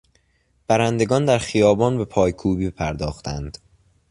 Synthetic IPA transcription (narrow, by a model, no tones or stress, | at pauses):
b̥æɾænd̪e̞ɡɒːnd̪æɾxijɒːbɒːnbe̞pʰɒːjkʰuːbiːpʰæɾd̪ɒːxt̪ʰænd̪̥